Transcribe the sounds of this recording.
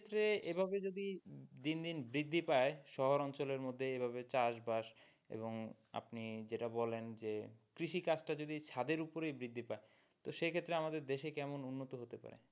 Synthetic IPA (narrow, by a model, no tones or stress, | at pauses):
t̪ːɾeebʱabed͡ʑod̪id̪ind̪inbɾid̪ʱːipaeʃɔɦoɾɔnt͡ɕoleɾmod̪ʱːeebʱabet͡ɕaʃbaʃ | ḛboŋ | a̰pnid͡ʑeʈabɔlend͡ʑekɾiʃikat͡ɕʈad͡ʑod̪it͡ɕʰad̪eɾupoɾejbɾid̪ʱːipae | t̪oʃekʰet̪ːɾeamad̪eɾd̪eʃekɛmonunːot̪oɦot̪epa̰ɾḛ